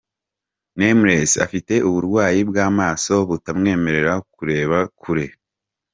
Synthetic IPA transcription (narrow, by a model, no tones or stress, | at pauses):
nemɾesa̰fite̞ʔuβuɾɡwaːjibɡaːmaːso̞βutamŋe̞ːme̞ɾe̞ɾakuɾe̞ːβakʰuɾe̞